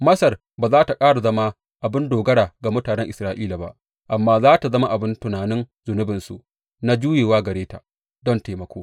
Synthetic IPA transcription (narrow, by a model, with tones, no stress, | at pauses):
mɐ˦sɐ˨r | baː˨zaː˦ta˨kʼaː˦ɽa˨zɐ˦ma˦ | ʔa˨bɪ˦ndoː˨ɡɐ˦ɽaː˨ɡa˨mʊ˦taː˨nɛ˦ŋʔɪ˨sɾaː˦ʔiː˦la˨ba̰˦ʔ | ʔa˨mːaː˦zaː˦ta˨zɐ˦ma˦ʔa˨bɪ˦ntʊ˨naː˨nɪ˦nzʊ˨nʊ˦bɪ˨nsṵ˨ʔ | na˦d͡ʒuː˦jeː˨waː˦ɡɐ˨ɽeː˦ta̰˨ʔ | dɔ˦nteː˨mɐ˨kʷʰoː˦